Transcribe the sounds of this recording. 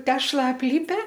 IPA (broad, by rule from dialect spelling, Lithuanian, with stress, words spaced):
ˈtʲæːʃlˠɐ ɐpʲˈlʲɪpʲɛ